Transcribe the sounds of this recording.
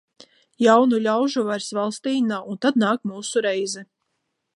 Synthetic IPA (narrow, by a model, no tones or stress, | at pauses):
jawnulʲawʒuvajɾsvalˠst̪iːnaːunt̪ad̪naːkmuːsuɾɛjzɛ